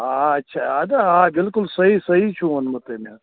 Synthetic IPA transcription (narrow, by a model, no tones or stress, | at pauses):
aɐtːʃʰaad̪aabɪlkʊlsɐɦisɐɦit͡ʃʰũmɐnmɐt̪ema